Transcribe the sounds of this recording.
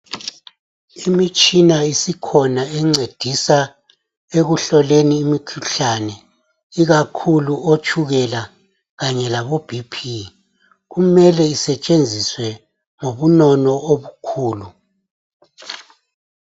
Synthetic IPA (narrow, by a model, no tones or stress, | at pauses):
imit͡ʃʼinaisikʰɔnaɛŋ͡ǀed̥ʱisa | eɣuɬɔleniːmikʰuɬanɛ | iɣakʰuluot͡ʃʼʰuɣɛla | ɣaɲɛlaβob̥ʱipʰi | ɣumɛlɛisɛt͡ʃʼend͡zʱiswɛ | ŋoβunɔnɔoβukʰuːlu